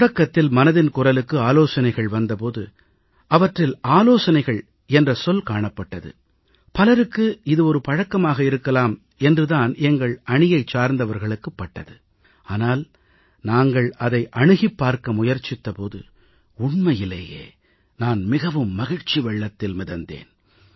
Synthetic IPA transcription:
ɽɐkːɐt̪ːɪlmɐnɐðɪnkʊrɐlɯkːɯaːloːsɐnɐɪɣɐɭʋɐnd̪ɐpoːðɯ̰ | ʔɐʋɐʈrɪlaːloːsɐnɐɪɣɐɭ | ɛndrɐsɔlkaːɳɐpːɐʈːɐðɯ̰ | pɐlɐɾɯkːɯɪðɯɔɾɯpɐɻɐkːɐmaːɣɐɪɾɯkːɐlaːm | ɛndrɯðaːnɛŋɡɐɭɐɳɪjɐɪt͡ʃːaːɾnd̪ɐʋɐɾɣɐɭɯkːɯpːɐʈːɐðɯ | aːnaːl | naːŋɡɐɭɐðɐɪʔɐɳɯɣɪpːaːɾkɐmʊjɐɾt͡ʃɪt̪ːɐpoːðɯ̰ | ʊɳmɐjɪlɐ̰jḛː | naːnmɪɣɐʋɯmːɐɣɪɻt͡ʃiʋɛɭːɐt̪ːɪlmɪðɐnd̪ḛːn

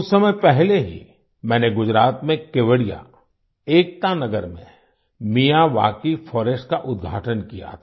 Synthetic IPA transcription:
ʊsːɐməjpɛɦleɦḭ | mɛ̃ːneɡʊd͡ʒɾaːt̪mẽkeʋəɽija̰ | eːk̚t̪anɐɡəɾmḛ̃ | mijaʋa̰ːkifʰɔːɾesʈkaʔʊd̪ɡʱa̰ːʈənkija̰t̪ʰː

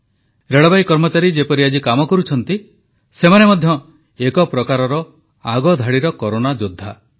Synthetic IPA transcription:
ɾeɭɔbajkɔɾmɔt͡ʃaɾid͡ʒepɔɾiad͡ʒikamɔkɔɾut͡ʃʰɔnt̪i | semanemɔd̪ʱjɔ | ekɔpɾɔkaɾɔɾɔ | aɡɔd̪ʱaɽiɾɔkɔɾonad͡ʒod̪ʱːa

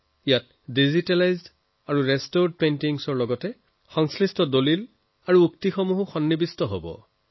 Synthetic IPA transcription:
ijat | dizitalajzd | aɹuɹɛstoɹd̚pentiŋsɔɹlɔɡɔtɛ | xɔŋslistɔdolil | aɹuuktixɔmuɦʊxɔnːibistɔɦo̰bɔ̰

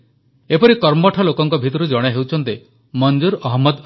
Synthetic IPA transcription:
epɔɾikɔɾmɔʈʰɔlokɔŋkɔbʱit̪ɔɾud͡ʒɔɽ̃eɦewt͡ʃʰɔnt̪e | mɔnd͡ʒuɾɔɦmːɔd̪

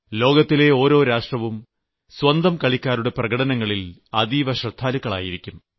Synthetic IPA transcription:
lo̞ːɡɐt̪ːile̞o̞ːɾo̞ːɾaːʂʈrɐʋum | swɐnd̪ɐmkɐɭikʲːaːɾuɽe̞prɐɡɐɽɐnɐŋːɐɭilɐd̪iːʋɐɕrɐd̪ʱːaːlukːɐɭa̰ːjiɾikʲːum

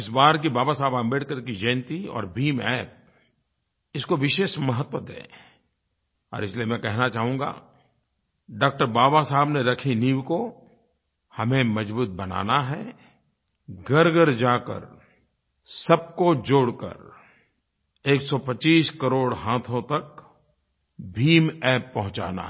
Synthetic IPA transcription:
ɪsbaːɾk̬ibaːbasaːbãmbeːʈkəɾkid͡ʒẽːnt̪iɔ̰ːɾbʱiːmɛːp̚ | ɪskoʋɪʃeːʃmɐɦət̪wət̪ḛː | ɔ̰ːɾɪsliemɛ̃kɛɦnat͡ʃaːɦũːŋɡa̰ | ɖaːk̚ʈəɾbaːbasaɦəbneɾɐkʰiniːwko | hɐmẽmɐd͡ʒbuːt̪̚bɐna̰ːnaɦɛː | ɡəɾɡəɾd͡ʒaːkə̰ɾ | sɐb̚kod͡ʒoːɽkə̰ɾ | eːksɔpɐt͡ʃiːskɐɾoːɽɦãːt̪ʰõt̪ɐk | bʱiːmɛːpːɐɦʊ̃t͡ʃa̰ːna̰

